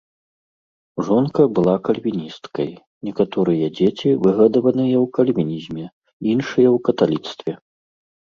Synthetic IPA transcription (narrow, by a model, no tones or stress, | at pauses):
ʐɔnkɐbɨlˠakɐlʲvʲinʲist̪kɐj | nʲɛkat̪ɔɾɨjɐd͡zʲet͡sʲivɨɣɐd̪ɐvɐnɨjɐwkɐlʲvʲinʲizʲmʲɛ | inʂɨjɛwkɐt̪alʲit̪st̪vʲɛ